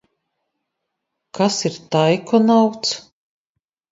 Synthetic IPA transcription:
kʰasiɾt̪ajkɔnawt̪s

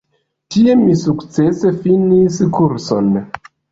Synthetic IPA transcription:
tie̞misukt͡se̞se̞finiskuɾso̞̰n

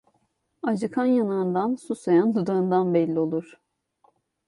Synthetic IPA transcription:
ad͡ʒɯkʰanjanaɯnd̪ansusajand̪ud̪aɯnd̪anbɛlʲːio̞lˠuɾ̥

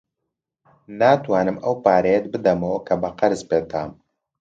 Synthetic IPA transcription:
naːt̪waːnɨmɐwpaːɾɐjɛt̪̚bɨd̪ɐmɐwɐkʰɐbɐqɐɾzpeːt̪ʰaːm

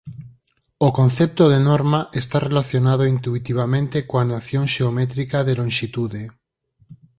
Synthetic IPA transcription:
okon̟θɛp̚t̪oðenoɾmaʔest̪arelaθjonað̞oint̪uit̪iβ̞amẽnt̪ekoanaθjoŋʃeomɛt̪ɾikaðelõŋʃit̪uðe

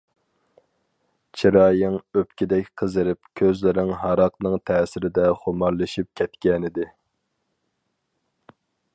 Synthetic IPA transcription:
t͡ʃʰiɾɑːjɪŋøpkʲid̪ɛkʲqʰəzɨɾɪpkʲʰøzlɪɾɪŋɦɑɾɑqnɨŋt̪ʰɛːsɪɾɪd̪ɛχomɑɾlˠɨʃip̚kʲʰɛt̪kʲɛnɪd̪ɪ

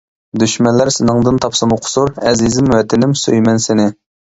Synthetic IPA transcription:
d̪yʃmɛnlːæɾsɪnɨŋd̪ɨnt̪ʰɑpsɨmʊqʰʊ̥suɾɛzizɪmwɛt̪ʰɪnɪmsøjmɛnsɪnɪ

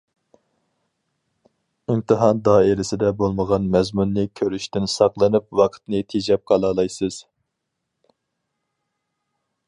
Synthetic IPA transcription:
imt̪ʰɨɦɑnd̪ɑːeɾɪsɪd̪ɛbolˠməʁɑnmɛzmunːɨkʲʰøɾyʃt̪ɪnsɑqlˠɨnɨp̚wɑqʰə̥t̪nɨt̪ʰed͡ʒɛp̚qʰɑlˠɑlˠɑjsɨz̥

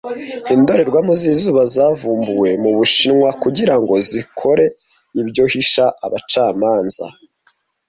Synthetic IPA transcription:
indo̞ɾe̞ɾɡwaːmuzizuːβazaːvuːmbuwe̞muβuʃinwakuɟiɾaŋɡo̞zikʰo̞ɾe̞ | iβɟo̞hiʃaʔa̰βat͡ʃaːmaːnza̰

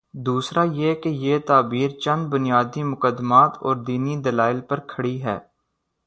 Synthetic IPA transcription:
d̪uːsɾajekejeːt̪aːbiːɾt͡ʃɐ̃nd̪̚bʊnɪjaːd̪imʊkəd̪ːmaːt̪ɔːɾd̪iːnid̪ɐlaːɪlpəɾkʰɐɽiɦɛ̰ː

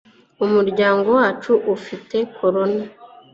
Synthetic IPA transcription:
umuɾɟaːŋɡo̞waːt͡ʃuʔufite̞kʰo̞ɾo̞na

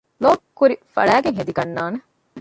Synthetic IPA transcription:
loːkkːuɾifɐ̰ɭæːɡeŋɦed̪iɡɐnːaːne

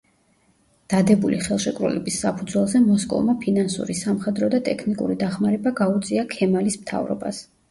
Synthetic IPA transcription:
d̪̥ad̪ɛbulḭχɛlˠʃɛkʼɾṵlɛ̰bisːapʰud̪zwɛlˠzɛmɔskʼɔ̰vmapʰinansṵɾisamχɛd̪ɾɔd̪at̪ʼɛkʰnikʼṵɾid̪aχmaɾɛbaɡaut̪sʼiakʰɛmalismt̪ʰa̰vɾɔ̰ba̰s

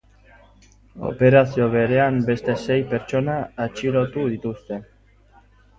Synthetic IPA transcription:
o̰peɾaθjoβeɾeanbest̪esejpeɾt͡ʃonaːt͡ʃilot̪uðit̪ust̪e

